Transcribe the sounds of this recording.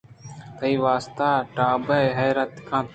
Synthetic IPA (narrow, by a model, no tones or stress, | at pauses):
t̪ɐiʋaːst̪aːʈaːbɐɦɐjɾɐt̪kʰãːt̪